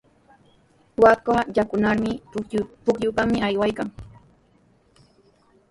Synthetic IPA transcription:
wakajakʊnaɾmɪpʊkʎʊpamɪajwajkaŋ

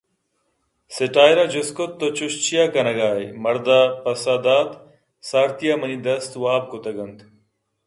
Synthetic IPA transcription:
seʈaːjɾad͡ʑoskot̪ːot͡ɕuɕt͡ɕijakɐnɐɡaːjmɐɾd̪apɐsaːd̪aːt̪ | saːɾt̪ijamɐnid̪ɐst̪waːb̚kot̪ɐɡɐnt̪

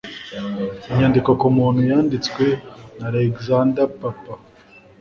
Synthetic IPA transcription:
iɲandiko̞kumuːnhujaːndit͡skwe̞naɾeɡzandapapa

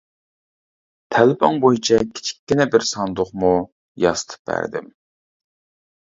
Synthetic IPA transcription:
t̪ʰælpɑŋbojit͡ʃʰɛkʲʰi̥t͡ʃʰi̥kʲːɪnɛbɪɾsɑnd̪ʊχmu | jɑsə̥t̪ʰɨ̥p̚bæ̰ɾd̪ɪ̰m

